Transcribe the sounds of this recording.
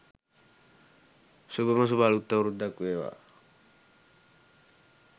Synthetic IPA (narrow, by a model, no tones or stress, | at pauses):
subemas̬ubalut̪ːaɾud̪akʋewa̰